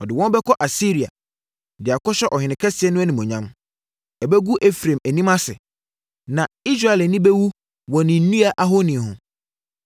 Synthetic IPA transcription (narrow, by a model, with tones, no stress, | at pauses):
ɔ˨dɪ˨wɔ̃˦n˦bɛ˦kʰɔ˦ʔa˨si˦ɾi˨a̰˨ | dɪ˨a˨kʰɔ˦ɕɛ˦ʔɔ˨hɪ̃˨nɪ̃˨kʰɛ˦sɪ˨ɛ˦nʊ̃˦æ˦nĩ˨mɔ̃˨ɲã˦m˦ | ɛ˨bɛ˦ɡu˦ʔe˦fɾẽ˨mæ˨nĩ˦mã˦sɪ̰˨ | nã˨i˦s̬ɾa˨ɛ˨lɛ˨nĩ˦bɛ˦wu˦ | wɔ̃˨nɪ̃˨n̩˦nũ˦a˨ʔa˦ɦo˦nĩ˨hʊ̃˨